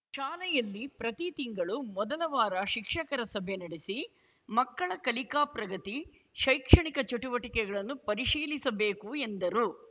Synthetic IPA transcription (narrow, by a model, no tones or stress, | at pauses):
ʃaːlɛjɐlːipɾɐt̪it̪iŋɡɐɭumɔd̪ɐlɐʋaːɾɐʃikʂɐkɐɾɐsɐbʱenɐɽisi | mɐkːɐɭɐkɐlikaːpɾɐɡɐt̪i | ʃɐjkʂɐɳikɐt͡ʃoʈuʋɐʈikɛɡɐɭɐnːupɐɾiʂiːlisɐbe̞ːkuend̪ɐɾu